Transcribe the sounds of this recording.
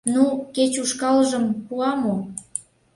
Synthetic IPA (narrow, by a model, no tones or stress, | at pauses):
nuket͡ɕuʃkɑlʒəmpuɑmo